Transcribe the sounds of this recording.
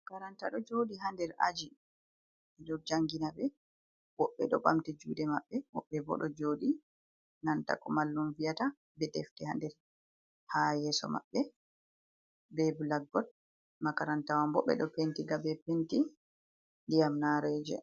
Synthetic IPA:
kaɾantaɗɔd͡ʒoɗiɦandɛɾa̰d͡ʒi | ɛdɔd͡ʒaŋɡinabɛ | wɔɓːɛɗɔɓamtɛd͡ʒuːdɛmaɓːɛwɔɓːɛbɔ̰ɗɔd͡ʒoːɗi | nanta̰kɔmalːunvijata | bɛdeftiha̰ndɛɾ | hajɛsɔ̰ma̰ɓːɛ | bɛbulaɡːɔt̚ | makaɾantawambɔɓːɛ̰ɗɔpentiɡabɛpenti | ndijamnaɾed͡ʒɛ̰

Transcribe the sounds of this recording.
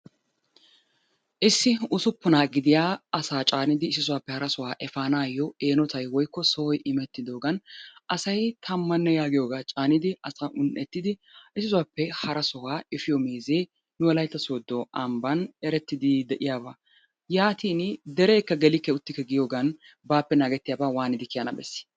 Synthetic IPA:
ʔɪsːɪʊsʊpːʊnaːɡɪd̪ɪjaːɐsaːt͡ʃʼaːnɪd̪ɪɪs̬ɪsʊwaːpːɛhɐɾɐsɔwaːʔɛfaːnaːjɔeːnɔt̪ʰɐjwɔjkːɔsɔwɔjʔɪmɛt̪ːɪd̪o̞ːɡɐnɐsɐjt̪ʰɐmːɐnːɛjaːɡɪjo̞ːɡaːt͡ʃʼaːnɪd̪ɪɐsɐʔʊnɛt̪ːɪd̪ɪʔɪsɪs̬ʊwaːpːɛhɐɾɐsɔwaːɪfɪjɔmeːzeː | nʊwɐlɐjt̪ːɐsoːd̪ːɔʔɐmbɐnɛɾɛt̪ːɪd̪ɪd̪ɛʔɪjaːbaː | jaːt̪iːnd̪ɛɾeːkːɐɡɛlɪkːɛʊt̪ːɪkːɛɡɪjoːɡɐn | baːpːɛnaːɡɛt̪ːɪjaːbaːwaːnɪd̪ɪkɪjanɐbɛ̰sːɪ̥

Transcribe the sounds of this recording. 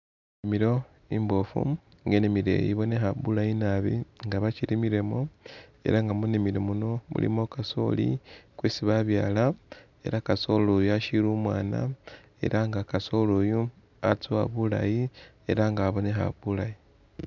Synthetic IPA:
emiɾo̞ | imbofṵ | ŋɡenemiɾḛjiβo̞nexaβulajinaβiŋɡaβat͡ʃiɾimiɾe̞mo̞e̞̰ɾaŋɡamunemiɾomuno̞mṵlḭmokaso̞̰lḭkwesiβaβjaːla | e̞ɾakaso̞lojuaʃiɾuːmwaːna̰ | e̞̰ɾʔaŋɡakaso̞loju | at͡suaβula̰ji | e̞ɾaŋɡaβo̞nexa̰βulaji

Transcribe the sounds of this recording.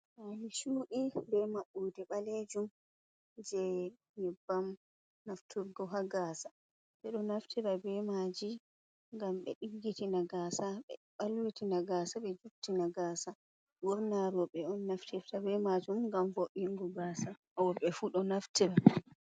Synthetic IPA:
ʔaniʃuːʔibɛmaɓːudɛɓaled͡ʒum | d͡ʒɛ | ɲɛbːam | naftʰuɾɡɔɦaɡaːsḁ | ɓɛɗɔnaftʰiɾabɛmad͡ʒi | ŋɡamɓɛ̰ɗiɡɡitinaɡasaɓɛ̰ɓalwitinaɡasaɓɛd͡ʒuɾtinaɡaːsa | ɡɔɾnaɾɔɓɛɔnːaftʰɛftabɛmad͡ʒumŋɡamvoɓiŋɡɔɡaːsa | wɔɓɛfuɗɔnaftʰiɾa

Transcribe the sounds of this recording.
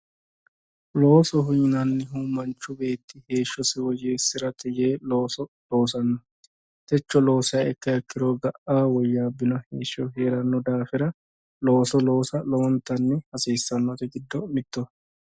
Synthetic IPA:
loːsɔɦʊjɪnɐnːɛɦuːmɐnt͡ʃːʊbe̞ːt̪ːɪheːʃːɔsɪwɔjeːsːɪɾɐt̪ʰɛjeːloːsɔ | loːsɐnːɐ | t̪ɛt͡ʃːɔlo̞ːsɪjaɛkːɐjɛkːɪd̪oːɡɐʔaːwɔjːaːbːɪnɔhe̞ːʃːɔɦeːɾɐnːɔd̪aːfɪɾɐ | lo̞ːsɔlo̞ːsɐlɔwɔnt̪ːɐnːɛhɐseːsːɐnːɔt̪ɛɡɪd̪ːɔmɪt̪ːɔ

